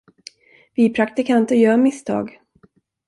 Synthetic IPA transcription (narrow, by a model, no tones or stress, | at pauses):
vɪpʰɾakt̪ɪkʰant̪ɔjœːɾmɪst̪ʰɑ̰ːɡ